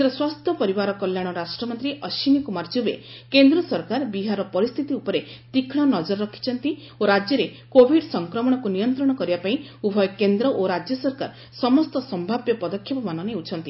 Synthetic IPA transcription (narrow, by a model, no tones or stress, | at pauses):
ɾɔswast̪ʰjɔpɔɾibaɾɔkɔljaɽ̃ɔɾasʈɾɔmɔnt̪ɾiʔɔʃinikumaɾd͡ʒubḛkend̪ɾɔsɔɾkaɾbiɦaɾɔpɔɾist̪ʰit̪iupɔɾet̪ikʰɽ̃ɔnɔd͡ʒɔɾɔɾɔkʰi̥t͡ʃʰɔnt̪i | oɾad͡ʒjɔɾe | kobʱiɖsɔŋkɾɔmɔɽ̃ɔkunijɔnt̪ɾɔɽ̃ɔkɔɾibapaĩubʱɔjɔkend̪ɾɔʔoɾad͡ʒjɔsɔɾka̰ɾ | sɔmɔst̪ɔsɔmbʱabjɔpɔd̪ɔkʰːjɔpɔmanɔneut͡ʃʰɔnt̪i